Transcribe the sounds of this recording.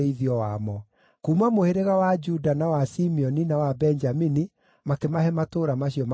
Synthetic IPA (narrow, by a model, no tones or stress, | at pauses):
eiðiɔwamɔ | kuːmamoheɾeɣawad͡ʒudanawasimiɔninawabɛnd͡ʒamini | makemaɦɛmatoɾamaɕiɔm